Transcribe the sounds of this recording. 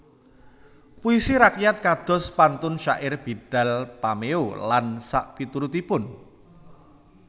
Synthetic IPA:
puisiɾakjat̪̚kad̪̥ɔ̤spant̪ʊnʃa̰ʔɪrb̥iɖ̥a̤lpameolansaʔpit̪uɾut̪ipʊn

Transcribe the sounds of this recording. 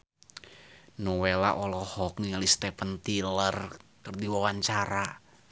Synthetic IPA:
nɔwela̰ʔɔlɔhɔkŋiŋalist̪ɛpənt̪ilərkərdiwawaɲt͡ʃaɾa

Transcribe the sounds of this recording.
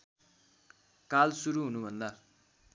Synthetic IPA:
kalsuɾuɦunubʱʌnd̪a

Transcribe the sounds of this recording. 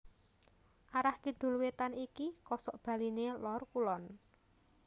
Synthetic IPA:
ʔaɾahkiɖ̪̥ṳlwet̪anikikɔsɔʔb̥a̤linelɔrkulɔn

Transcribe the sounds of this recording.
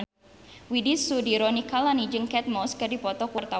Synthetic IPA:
widisudiɾɔnikalanid͡ʒəŋkɛt̪̚mɔskədipɔt̪ɔkɔrt̪a

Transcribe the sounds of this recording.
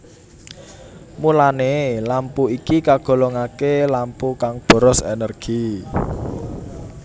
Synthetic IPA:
mulanelampuikikaɡ̥ɔ̤lɔŋakelampukaŋb̥ɔ̤ɾɔsḛnərɡ̥i

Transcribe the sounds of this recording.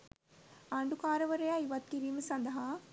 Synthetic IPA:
aɳɖukaːɾɐʋɐɾɐjaiʋɐt̪̚kiɾiːməsɐnd̪ɐɦa

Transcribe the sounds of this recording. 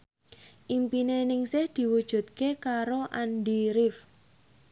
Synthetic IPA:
ʔimpinenɪŋsɪhd̪̥i̤wud̥ʒ̥ṳt̪̚kekaɾoʔanɖiɾɪf

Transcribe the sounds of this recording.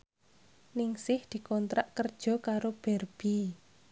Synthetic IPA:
nɪŋsɪhd̪̥i̤kɔnt̪ɾaʔkərd̥ʒ̥ɔ̤kaɾob̥ɛrb̥i

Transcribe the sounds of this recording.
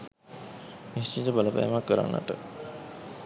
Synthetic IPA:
nist͡ʃit̪əbaləpa̰jmakːəɾa̰nːə̰ʈə

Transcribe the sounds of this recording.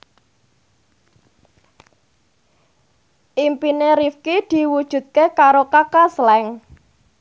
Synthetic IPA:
ʔimpineɾifkid̪̥i̤wud̥ʒ̥ṳt̪̚kekaɾokakaslɛŋ

